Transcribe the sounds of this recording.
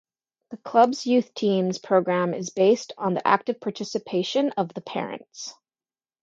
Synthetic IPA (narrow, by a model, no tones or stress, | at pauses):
ðɨkʰl̥ʌbzjʉθtʰĩmz̥pʰɹ̥oʊɡɹæ̃mɪzbeɪstn̩ðḭʔæ̰k̚tɨv̥pʰɑɹtʰɪsɨpʰeɪʃɨ̃nʌvðəpʰɛ̰ɹɨ̰̃nts